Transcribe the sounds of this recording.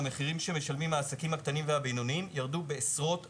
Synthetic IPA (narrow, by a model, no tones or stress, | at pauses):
me̞χiʁimʃe̞me̞ʃalmimhaːsakimhakt̪animvehabejnoniimjaʁd̪ube̞ːsʁo̞t